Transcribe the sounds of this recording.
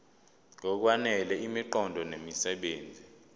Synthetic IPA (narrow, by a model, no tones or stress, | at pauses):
ŋɔk̬wanɛlɛimiǃɔndʱɔnemisɛɓeːnd͡zʱi